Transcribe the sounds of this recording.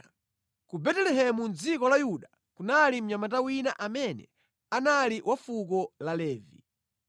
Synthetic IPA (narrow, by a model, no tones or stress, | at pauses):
kubɛtɛlɛɦɛmund͡zikɔlajuɗa | kunalim̩ɲamatawinaʔamɛnɛ̰ | analiwʔafuk̬ɔlalɛːvḭ